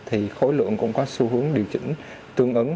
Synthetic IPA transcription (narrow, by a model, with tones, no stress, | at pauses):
t̪ʰi˨˩xo˨˦jlɨ̰˧˨əŋkʊ̰˧˥ŋ͡mkɔ˨˦su˧ɦɨ˨˦əŋɗi˨˩əwt͡ɕï˧˥ŋ̟ | t̪ɨ˧əŋʔə˨˦